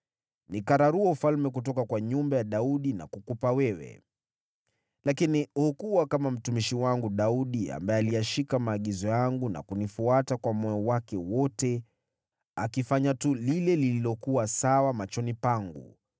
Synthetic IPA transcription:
nikaɾaɾuɔufalmɛk̬utɔkakwaɲumbajaɗauɗina̰kukupawɛwɛ̰ | lakinihukuwakamam̩tumiʃiwaŋɡuɗauɗia̰mbaɛalijaʃikamaːɠizɔjaŋɡuna̰kunifuatakwamɔjɔwakɛwɔtɛ | akifaɲatulilɛlililɔkuwasawamat͡ʃɔnipaŋɡṵ

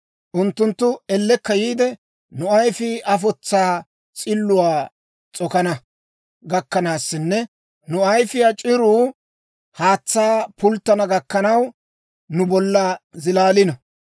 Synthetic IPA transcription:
ʔʊnt̪ːʊnt̪ːʊɛlːɛkːɐjiːd̪ɛ | nʊɐjfɪʔɐfɔt͡sːaː | t͡sʼɪlːʊwaː | t͡sʼɔkɐnɐ | ɡɐkːɐnaːsːɪnːɛ | nʊɐjfɪjat͡ʃʼɪɾuː | haːt͡sːaːpʊlt̪ːɐnɐɡɐkːɐnɐw | nʊbɔlːɐzɪlaːlɪnɐ

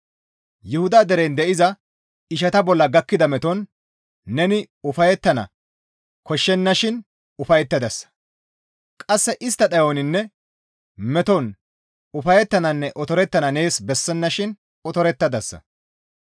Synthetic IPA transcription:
jʊhʊd̪aːd̪ɛɾend̪ɛʔɪzɐ | ɪʃ̬ɐt̪ɐbɔlːɐɡɐkːɪd̪ɐmɛt̪ɔnː | ɛnɪ | ʊfɐjɛt̪ːɐnɐ̰ | kɔʃːɛnːɐʃɪn | ʊfɐjɛt̪ːɐd̪ɐsːɐ̥ | kʼɐsːɛʔɪst̪ːɐt̪ɐjonɪnːɛ | mɛt̪ɔn | ʊfɐjɛt̪ːɐnɐnːɛʔɔt̪ɔɾɛt̪ːɐnɐne̞ːsbɛsːɛnːɐʃɪn | ɔt̪ɔɾɛt̪ːɐd̪ɐsːɐ̰

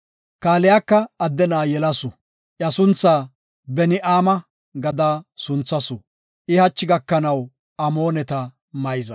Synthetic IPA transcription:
kaːlɛjakːɐːd̪ːɛnaːjɛlɐsʊ | ʔjɐsʊnt͡sːaː | bɛnɪʔaːmɐ | ɡɐd̪aːsʊnt͡sːɐsʊ | ʔɪhɐt͡ʃːɪɡɐkːɐnɐw | ʔɐmo̞ːnɛt̪ɐ | mɐjzɐ

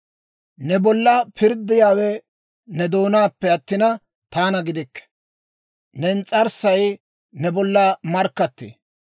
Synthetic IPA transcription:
nɛbɔlːɐpʰɪɾd̪ːɪjaːwɛ | nɛd̪o̞ːnaːpːɛɐt̪ːɪnɐ | t̪aːnɐɡɪd̪ɪkː | nɛnt͡sʼɐɾsɐj | nɛbɔlːɐmɐɾkːɐt̪ːḛː

